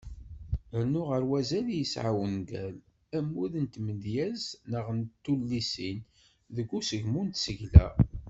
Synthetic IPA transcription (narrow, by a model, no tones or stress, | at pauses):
əɾnʊʁəɾwæzæljəsʕa̰wənɡæl | æmːuðənt̪məd̪jæznəʁənt̪ːulːisin | ðəɡːusəʝmunt̪səʝlæ̰